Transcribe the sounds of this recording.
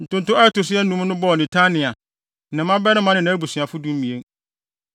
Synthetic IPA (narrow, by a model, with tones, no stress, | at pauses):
n̩˨tʊ̃˦n˨tʊ˦ɛ˦tʊ˨sɪ˦ɛ˦n̩˦nũ˦m˦nʊ̃˦bɔ˦ɔ˨nɪ̃˨tʰa˦nɪ̃˨a˨ | nã˨mã˦bɛ˦nɪ̃˦mã˦nɪ̃˨nã˦bu˨sɥa˨fʊ˦dũ˦m̩˦mĩ˨e˦ŋ